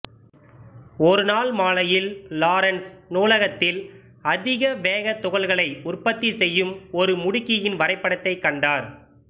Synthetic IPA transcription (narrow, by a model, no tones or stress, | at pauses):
ɔɾɯnaːlmaːlɐjɪllaːɾɐnsnuːlɐɣɐt̪ːɪl | ɐðɪɣɐʋeːɣɐt̪ːʊɣɐlɣɐɭɐɪʊrpɐt̪ːisɛjːɯmɔɾɯmʊɽɪkːɪjɪnʋɐɾɐɪpːɐɽɐt̪ːɐɪkːɐɳɖaːɾ